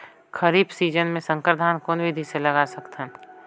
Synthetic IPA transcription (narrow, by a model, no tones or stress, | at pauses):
kɐɾiːbsiːd͡ʒənmẽsə̃ŋkɾd̪ʱaːnkoːnʋɪd̪ʱiselɐɡaːsɐkt̪ɦɛ̃